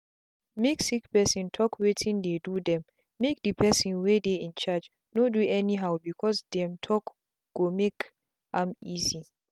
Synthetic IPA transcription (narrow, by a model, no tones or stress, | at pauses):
meksikpɛsĩntʰɔkʰwetʰĩndedudɛ̃mː | ek̚dəpʰɛsĩnwedeĩnt͡ʃad͡ʒ | noduɛniɦawbikʰɔsdɛ̃mtʰɔk | ɡ̥omek | ʔãmizi